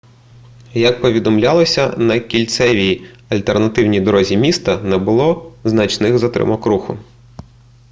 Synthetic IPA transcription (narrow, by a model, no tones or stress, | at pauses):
jɐk̚pɔʋʲid̪ɔmlʲalˠɔsʲɐnɐkʲilʲt̪sɛʋʲij | ɐlʲt̪ernɐt̪ɪwnʲijd̪ɔɾɔzʲimʲist̪ɐnɛbʊlˠɔznɐt͡ʃnɪxzɐt̪ɾɪ̰mɔkɾuxʊ